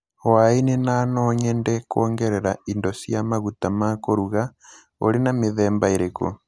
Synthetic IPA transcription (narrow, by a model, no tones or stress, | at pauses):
wainenanɔːɲɛndɛkoːŋɡɛɾɛɾaindɔsiamaɣutamakoɾuɣa | o̰ɾenameðɛːmbaeɾeko̰